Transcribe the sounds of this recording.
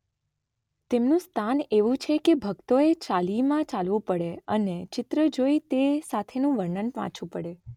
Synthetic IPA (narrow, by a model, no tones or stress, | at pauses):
t̪emnũst̪ʰaneʋũt͡ʃʰekebʱəkt̪oet͡ʃalimãt͡ʃalʋũpəɽeənet͡ʃɪt̪ɾəd͡ʒoit̪esat̪ʰenũʋəɾɳənpʋã̰t͡ʃʰũpəɽe